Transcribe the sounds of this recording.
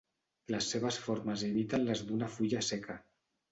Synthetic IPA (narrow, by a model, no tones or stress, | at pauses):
lasːeβasfoɾmazeβit̪anlazd̪unafuʎaseka